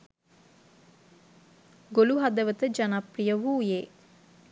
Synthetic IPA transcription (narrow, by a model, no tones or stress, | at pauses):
ɡoluɦad̪əʋət̪əd͡ʒanaprijəʋuːjeː